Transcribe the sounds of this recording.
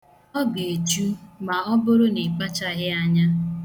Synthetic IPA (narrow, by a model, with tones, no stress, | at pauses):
ɔ˦ɡe˨e˨t͡ʃu˦ma˨ɔ˦bʊ˦ɾʊ˦ne˨pa˦t͡ʃa˦ɦɪ˦a˦ɲa˦